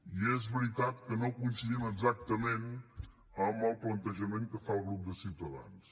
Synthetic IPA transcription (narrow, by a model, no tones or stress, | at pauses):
iɛzβəɾit̪at̪̚kənõwkunsəðiməɡzak̚t̪əmẽn | əməlˠplənt̪əʒəmẽnt̪̚kəfalˠɣɾup̚d̪əsiwt̪əða̰ns